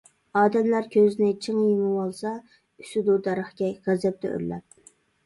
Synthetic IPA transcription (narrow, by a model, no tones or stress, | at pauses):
ɑːd̪ɛmlæɾkʲʰøzɪnɪt͡ʃʰɨŋjimɨwolˠsɑ | ysɪd̪ud̪ɑɾəχɡʲɛʁæzɛp̚t̪ɛ̰ʔø̰ɾlɛ̰p̚